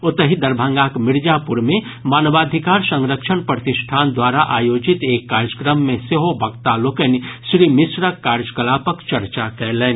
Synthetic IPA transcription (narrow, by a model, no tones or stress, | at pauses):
ot̪əɦid̪əɾbʱə̃ŋɡakmiɾd͡ʒapuɾmẽ | maːnʋad̪ʱikaːɾsə̃ŋɾəkʃʰənpɾət̪isʈʰaːnd̪waɾaʔaːjoːd͡ʒit̪eːkːaɾd͡ʒəkɾəmːẽseɦobʱəɡt̪alokənisɾimisɾəkːaɾd͡ʒəkəlaːpəkt͡ʃəɾt͡ʃakɛɦlɛni